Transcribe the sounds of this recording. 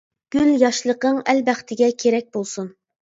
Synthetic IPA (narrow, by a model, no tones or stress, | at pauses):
ɡ̥ʲyljɑʃlˠəqəŋælbæχt̪ʰɪɡʲɛkʲʰeɾɛk̚ʲbolˠsun